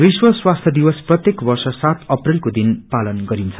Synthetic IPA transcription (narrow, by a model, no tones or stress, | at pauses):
biswʌswast̪ʰjʌd̪iwʌsprʌt̪jekbʌrsʌsat̪ʌprilkod̪inpalʌnɡʌɾint͡sʰʌ̥